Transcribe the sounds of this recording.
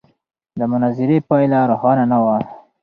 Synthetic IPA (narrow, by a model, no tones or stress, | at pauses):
d̪əmʊnazɪɾepɑjlaɾʊhɑnanawa